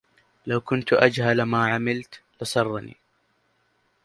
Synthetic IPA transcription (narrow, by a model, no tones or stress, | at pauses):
lawkʊnt̪ʔad͡ʒhalmaːʕamɪlt̪lɪsˤɑrˤːɑnḭː